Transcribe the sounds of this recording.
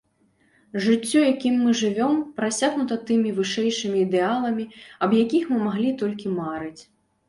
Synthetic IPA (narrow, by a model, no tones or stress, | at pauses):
ʐɨt͡sʲːɔjakʲimːɨʐɨvʲɔmpɾasʲaɣnut̪ɐt̪ɨmʲivɨʂɛjʂɨmʲiːd̪ɛalˠɐmʲiɐbjakʲixmɨmaɣlʲit̪ɔlʲkʲimaɾɨt͡sʲ